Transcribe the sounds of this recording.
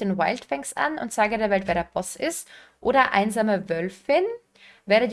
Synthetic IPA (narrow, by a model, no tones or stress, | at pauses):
denwaɪltfɛŋkstʔa̰nʊ̰ntz̥aːɡədeːɐvɛltv̥ɛːɐdeːɐpʰɔsɪst | ʔoːɾɐʔa̰ɪnzaːməvœlfɪn | vɛːʁəd